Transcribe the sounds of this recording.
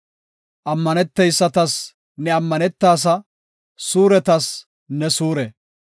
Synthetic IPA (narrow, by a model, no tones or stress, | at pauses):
ʔɐmːɐnɛt̪ːɛjsːɐt̪ɐs | nɛɐmːɐnɛt̪ːaːs̬ɐ | suːɾɛt̪ɐs | nɛsuːɾɛ